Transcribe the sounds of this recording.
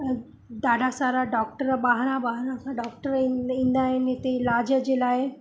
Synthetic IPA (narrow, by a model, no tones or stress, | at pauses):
d̪aɖasaɾaɖɔk̚ʈəɾbaɦɾãbaɦɾãsaɖɔk̚ʈəɾĩnd̪aenet̪elad͡ʒəd͡ʑelae